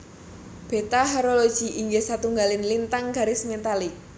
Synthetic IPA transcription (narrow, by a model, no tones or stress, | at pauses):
b̥e̤t̪aɦaɾolod̥ʒ̥i̤ʔiŋɡesat̪uŋɡalɪnlint̪aŋɡ̥a̤ɾismet̪alɪk̚